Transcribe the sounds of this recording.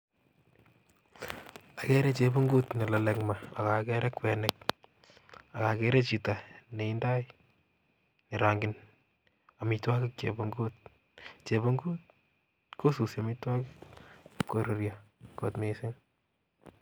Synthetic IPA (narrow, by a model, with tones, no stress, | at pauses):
a˨kɛ˦ɾɛ˦t͡ʃe˨bo˦ŋɡo˦tne˨la˨lɛkmaa˨ka˨kɛ˦ɾɛ˦kwɛ˨nɛk̚ | a˨ka˨kɛ˦ɾɛ˦t͡ʃi˨ta˨ne˨i˦nda˦j | ne˨ɾa˨ŋɡɪn | a˨mitwa˦kɪ˦k̚t͡ʃḛboŋɡot̚ | t͡ʃe˨βo˦ŋɡuː˦t̚ | ko˦su˨sja˨mɪtwa˦kɪkko˨ɾo˨ɾjako̰tmese˦ŋ